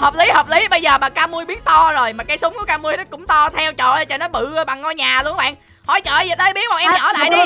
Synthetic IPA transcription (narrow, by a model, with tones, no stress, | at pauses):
həː˨˩p̚li˨˦həː˨˩p̚li˨˦ɓə˧jzəː˨˩maː˨˩kaː˧mu˧əjɓi˦˥ət̚t̪ɔ˧zo˨˩jmaː˨˩kaː˨˦jsʊ˨˦ŋ͡mku˧˩˦kaː˧mu˧əjɗɔ˨˦kʊ̰˧˥ŋ͡mt̪ɔ˧t̪ʰɛ˧wt͡ɕɔ̰˧˨a˨˩t͡ɕə̰˧˩nɔ˨˦jɓɨ̰˧˨˧ɓa˨˩ŋːɔ˧jɲaː˨˩lu˧əŋɓa̰ː˧˨n | hɔ̰˧˩˦jt͡ɕə̰ː˧˨jzə˨˩ɗ̪əː˧˦jɓi˦˥ət̚ɓa˨˩ʔɛ˧ɲɔ̰˧˩la̰ː˧˨ɗi˨˧˦